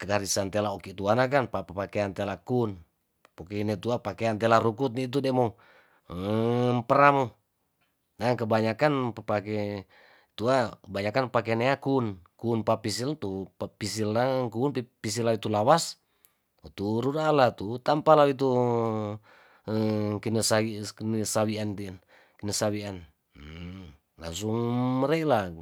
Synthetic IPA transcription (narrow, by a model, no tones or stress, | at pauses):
kəɡaɾisant̪elaokit̪uanak̬anpapəpakeant̪ɛlakun | pokeinet̪uapakeant̪ɛlaɾukut̪̚nit̪̬udɛmo | mpəɾamo | naŋkəbaɲakanpəpake | t̪uabaɲakanpak̬eneakunkunpapis̬ilt̪uapis̬ilːakuːnpipis̬ilait̪ulawas | t̪uɾudalat̪ut̪ampalait̪̬u | əkinəsainəsawiant̪in | kənəsawian | la̰ŋsuŋməɾɛla